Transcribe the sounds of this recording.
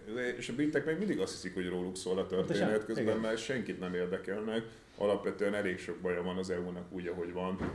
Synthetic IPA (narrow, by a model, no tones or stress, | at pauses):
ɛeʃɒbit̪ːɛkmeːɡmind̪iɡɒst̪hi̥sikho̞ɟroːluksoːlɒt̪ø̞rt̪eːnɛt̪køzbɛmːɛlʃɛŋkit̪nɛmeːrd̪ɛkɛlnɛk | ʔɒ̰lɒpʋɛt̪øɛnɛleːkʃo̞ɡ̚bɒjɒvɒnɒzɛuːnɒkuːɟɒɦo̞ɟʋɒn